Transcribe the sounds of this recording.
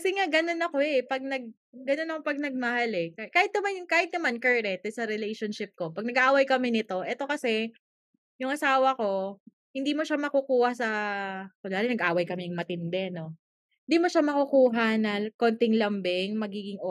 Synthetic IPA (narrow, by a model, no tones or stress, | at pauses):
kɐsɛŋaɡɐno̞nɐko̞ɛpɐɡ̚nɐɡ̚ː | ɐno̞nɐko̞pɐɡ̚nɐɡ̚mɐhalɛkakaːhɪt̪̚ɐmanjŋkaːhɪt̪̚nɐmankɛɹɾɛt̪ɛsɐɾɛlɛjʃonʃɪp̚ko̞pɐɡ̚nɐɡaʔaːwɐjkɐmɪnɪt̪o̞ʔɛt̪o̞kɐsɛ | jʊŋʔɐsaːwɐko̞ | hɪnd̪iːmo̞ʃamɐkukuːhɐsɐkonaːɾɛnɐɡʔaːwɐjkɐmɪjŋmɐt̪ɪnd̪ɛno̞ | ɪnd̪iːmo̞ʃamɐkukuːɦɐnɐkont̪ɪŋlɐmbɪŋmɐɡiːɡɪŋo